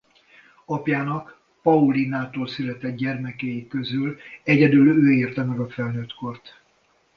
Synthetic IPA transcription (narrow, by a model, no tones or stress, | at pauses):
ɒpjaːnɒk | pɒulinaːt̪oːlsylɛt̪ɛd̪ɟɛrmɛkɛjikø̞zylɛɟɛd̪yløːeːrt̪ɛmɛɡɒfɛlnøːt̪ko̞rt̪